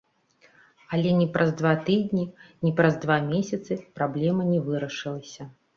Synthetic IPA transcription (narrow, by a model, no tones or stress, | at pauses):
ɐlʲɛnʲɛpɾʔɐzd̪vat̪ɨd̪ʲnʲinʲipɾɐzd̪vamʲesʲɐt̪sɨpɾablʲɛmɐnʲɛvɨɾɐʂɨlˠɐsʲɐ